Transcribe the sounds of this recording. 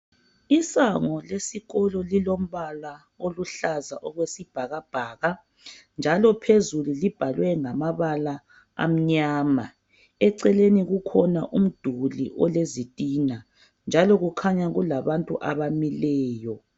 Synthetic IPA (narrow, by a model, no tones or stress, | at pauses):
isaŋɔlesiɣɔlɔlilom̩βala | oluɬazaʔɔɣwesib̥ʱaɣab̥ʱaːɣa | nd͡ʒʱalɔpʰezululib̥ʱalwɛŋamaβala | a̰m̩ɲaːma | ɛǀɛleniɣukʰɔnaʔum̩d̥ʱulḭʔɔlezitʼina | nd͡ʒʱalɔɣukʰaɲaɣulaβantʼṵʔa̰βamilɛːjɔ